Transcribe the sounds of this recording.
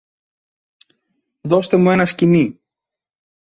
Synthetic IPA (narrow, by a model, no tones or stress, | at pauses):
ðo̞st̪e̞mue̞nɐscini